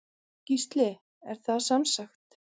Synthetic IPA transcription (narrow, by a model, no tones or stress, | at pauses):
cist̪lɪ | ɛɾ̥θaðsamsaxt̪